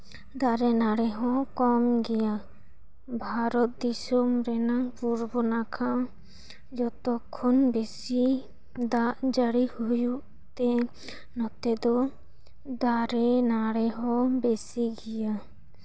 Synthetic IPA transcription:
d̪aɾɛnaɽɛɦɔ̃kɔmɡɛja | bʱaɾɔt̪̚d̪isɔmɾɛnapuɾbɔnakʰãʔ | d͡ʒɔt̪ɔkʰːɔnbesi | d̪aʔd͡ʒaɽihujuʔ | t̪ɛ | nɔt̪ɛd̪ɔ | d̪aɾɛnaɽɛɦɔ̃besiɡɛja

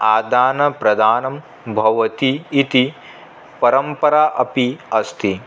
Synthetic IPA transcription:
aːd̪aːnɐpɾɐd̪ʱaːnɐm | bʱɐʋɐt̪iːt̪i | pɐɾɐmpɐɾaːʔɐpiɐst̪ʰi

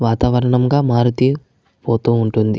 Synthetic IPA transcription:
ʋaːt̪aːʋɐɾɐɳɐmɡaːmaːɾut̪eː | poːt̪uːɳʈund̪i

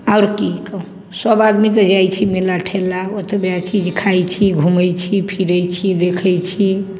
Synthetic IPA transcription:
awɾkikəũ | səbad̪mit̪əd͡ʒajt͡ʃʰimelaʈʰelːaot̪əbeat͡ʃid͡ʒkʰajt͡ʃʰiɡʱuməjt͡ʃʰipʰiɾəjt͡ʃʰid̪ekʰəjt͡ʃʰi

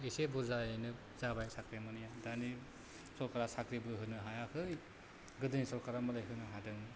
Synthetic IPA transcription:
esebuzaenɯ | zabajsakɾemɯnijadani | sɔlkaɾasakɾibɯɦɯnɯɦajakʰɯj | ɡɯdɯnisɔkaɾamɯlajɦɯnɯɦadɯŋ

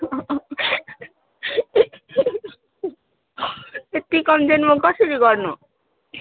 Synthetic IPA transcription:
et̪ːikɔmd͡ʑenmokaʃiɾiɡɔɾno

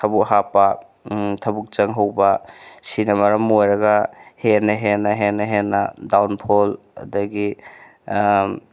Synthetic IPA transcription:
tʰɐbuk̚ɦapɐ | tʰɐbuk̚t͡ʃɐŋɦɐwbɐsinɐmɐɾɐmojɾɐɡɐhenɐɦenɐɦenɐɦenːɐdawnpʰol | ɐ̰dɐɡi

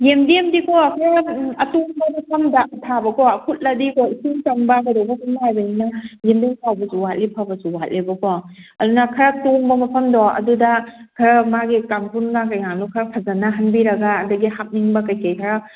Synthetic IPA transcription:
jemdemdikɔɐkʰɐɾɐɐtoŋbɐmɐpʰɐmdatʰabɐkɔɐkʰut̚lɐdikɔisiŋtɐmbɐɡadowbɐkʰunnajbɐninɐjemdemsʰawbɐzuwat̚lipʰabɐsuwat̚libɐkɔ | ɐdunɐkʰɐɾɐtoŋbɐmɐpʰɐmdɔɐ̰dudɐ | kʰɐɾɐmaɡikamkʰunɡakɐjaŋlukʰɐɾɐpʰɐzɐnɐɦɐnbiɾɐɡaːduɡiɦap̚niŋbɐkɐjkejkʰɐɾa

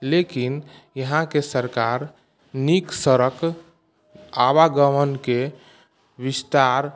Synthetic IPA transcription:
lekinjəɦãkesəɾkaɾ | niksəɾək | aβaɡəmənke | bist̪aɾ

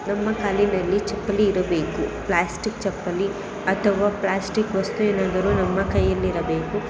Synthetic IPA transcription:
nɐmːɐkaːlinɐlːit͡ʃɐpːɐliːɾɐbeːkuplaːsʈikt͡ʃɐpːɐli | ɐt̪ʰɐʋaːplaːsʈikʋɐst̪ueːnaːd̪ɐɾunɐmːɐkɐjːɐlːiɾɐbe̞ːku

